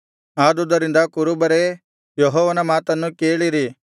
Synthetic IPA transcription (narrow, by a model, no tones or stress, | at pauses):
aːd̪ud̪ɐɾind̪ɐkuɾubɐɾe | joɦɔːʋɐnɐmaːt̪ɐnːukeːɭiɾi